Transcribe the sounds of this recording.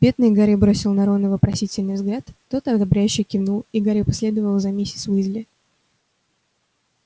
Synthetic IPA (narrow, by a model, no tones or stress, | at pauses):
bʲet̪nɨjɡaɾɨbɾo̞sʲɪlˠnɐɾo̞nəvəpɾɐsʲitʲɪlʲnɨjvzɡlʲat̪ːo̞t̪ɐd̪ɐbɾʲæjʉɕːɪjkʲɪvnulˠiɡaɾɨpɐsʲlʲed̪əvəlˠzɐmʲesʲɪt̪svɨzʲlʲɪ